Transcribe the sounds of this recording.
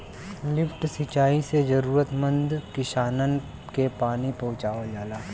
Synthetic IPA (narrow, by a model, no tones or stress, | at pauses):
lɪfʰʈsit͡ʃaːised͡ʒɐɾuːɾət̪mə̃nd̪kɪʃaːnən | kepaːnipɐɦʊ̃t͡ʃaːʋad͡ʒaːlaː